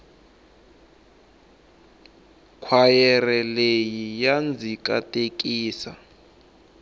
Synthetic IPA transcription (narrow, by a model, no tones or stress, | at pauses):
kʰwajɛrɛlejijand͡zʱik̬ʼa̰tʼek̬ʼiːsa̰